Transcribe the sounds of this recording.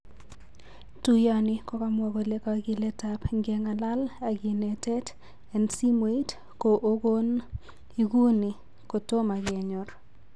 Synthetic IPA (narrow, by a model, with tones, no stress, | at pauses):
tu˦ja˦nɪ˦kɔ˦ka˦mwɔ˨ɡo˨le˦ka˨ɡɪ˦lɛ˦tapŋɡɛ˦ŋa˨la˦la˨ɡɪ˨nɛ˨tɛ˦t | ɛ˨nsi˦me˨i˦t | ko˨ʔo˦ɡo˦n | i˦ɡu˦nɪ˨ | ko˨to˦ma˨ɡɛ˨ɲɔ˨ɾ